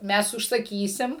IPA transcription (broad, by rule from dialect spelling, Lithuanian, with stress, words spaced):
ˈmʲɛs ʊʃsɐˈkʲiːsʲɪm